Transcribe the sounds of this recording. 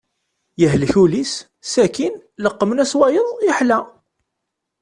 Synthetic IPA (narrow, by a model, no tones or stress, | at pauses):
jəɦlçulis | sækinləqːmənæswæjəðˤjəħlæ